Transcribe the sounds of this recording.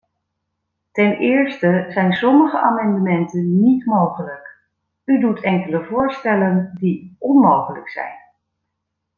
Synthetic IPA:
tɛnɪːɹstəzɛjnsɔməχəʔaːmɑndəmɛntənːitmowχələk | ydutʰɛŋkələvʊːɹstɛləndiɔnmowχələ̰ksɛ̰jn

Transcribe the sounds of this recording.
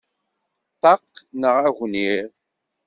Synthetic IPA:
t̪ɑqːnəʁæɣʷnið

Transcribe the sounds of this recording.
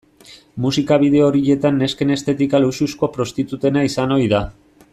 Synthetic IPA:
musikaβið̞e̞o̞ɾiʎe̞t̪anːe̞ske̞ne̞st̪e̞t̪ikalususko̞pɾo̞st̪it̪ut̪e̞naisano̞iða

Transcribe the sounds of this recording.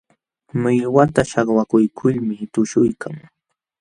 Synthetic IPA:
mɪjwat̪aʃɑχwakʊjkʰʊʎmɪt̪ʊʃʊjkʰaŋ

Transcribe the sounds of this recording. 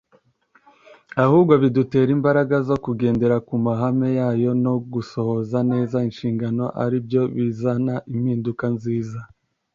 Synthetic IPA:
ahuːbɡo̞βidute̞ːɾimbaɾaɡazo̞kuɡe̞ːnde̞ɾakumaɦame̞jaːjo̞no̞ɡuso̞ho̞zane̞ːzainʃiːŋɡano̞ʔaɾibjo̞βizanaʔimhiːndukanziːza

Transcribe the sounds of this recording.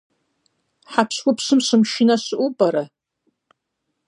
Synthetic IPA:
ħapʰswʊpʰsɨmsɨmʃɪnasɨʔubʼaɾa

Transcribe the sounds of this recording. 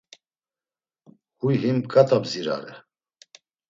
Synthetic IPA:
hujɦimkʼat̪ʼabziɾa̰ɾɛ

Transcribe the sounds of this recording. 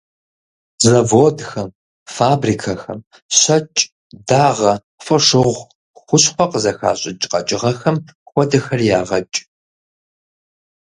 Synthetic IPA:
zɐvoːdxɐm | faːbrikʰɐxɐm | ɕɐt͡ʃʼ | daːʁɐ | fɐʂɨʁʷ | xʷʊɕħʷɔqəzɐxa̰ːɕʼɪt͡ʃʼqʼɐt͡ʃʼɪʁɐxɐmxʷɔdɐxɐrjaːʁɐt͡ʃʼ

